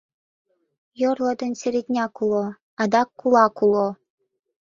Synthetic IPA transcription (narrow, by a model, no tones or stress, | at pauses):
jorlˠɤ̆d̪ɤ̆nsʲeɾʲet̪ʲnʲɑkulˠo | ɑd̪ɑkːulˠɑkulˠo